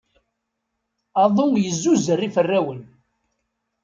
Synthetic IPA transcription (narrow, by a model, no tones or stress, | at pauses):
ɑðˤomjəzːuzərːifərːæwən